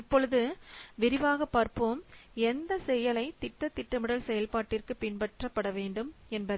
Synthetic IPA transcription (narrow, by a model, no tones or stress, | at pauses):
pːɔlɐðɯʋɪɾɪʋaːɣɐpːaːɾpoːmɛnd̪ɐsɛjɐlɐɪt̪ɪʈːɐt̪ːɪʈːɐmɯɽɐlsɛjɐlpaːʈːɪrkɯpɪɳbɐʈrɐpːɐɽɐʋeːɳɖɯmɛnbɐðɯ